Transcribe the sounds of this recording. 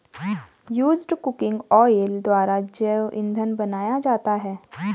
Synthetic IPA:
juːzɖkʊkɪ̃ŋɡɔːjeld̪ʋaːɾad͡ʒəʔɪ̰̃nd̪ʱənbɐnaːjad͡ʒaːt̪aɦɛː

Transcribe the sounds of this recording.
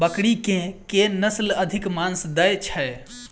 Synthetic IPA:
bəkɽikẽkenəsləd̪ʱikmansd̪əjt͡ʃʰəj

